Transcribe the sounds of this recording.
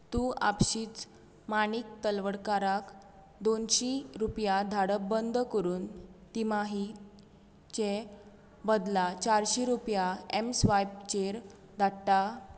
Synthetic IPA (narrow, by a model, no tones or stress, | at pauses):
t̪ũa̰pɕiːt͡s | manik̚t̪əlʋəɽkaɾak | d̪onɕiɾupjad̪ʱaɽəbənd̪ʱkəɾuːnt̪imaɦi | t͡ɕe | bəd̪lat͡ɕaɾɕiɾupjaemsʋajb̚t͡ɕeɾ | d̪ʱat̪a